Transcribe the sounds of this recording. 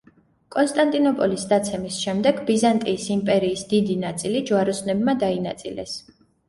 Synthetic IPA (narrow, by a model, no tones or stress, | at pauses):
kʼɔnst̪ʼant̪ʼinɔpʼɔlisd̪at̪sʰɛmisʃɛmd̪ɛɡbizant̪ʼiːsimpʼɛɾiːsd̪id̪inat̪sʼilid͡ʒuaɾɔsnɛbmad̪ainat̪sʼḭlɛ̰s